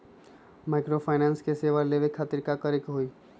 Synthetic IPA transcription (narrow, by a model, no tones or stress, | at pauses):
maɪkɾopʰaɪnanskeseʋaleʋekʰːaːt̪iɾkakəɾekɦoi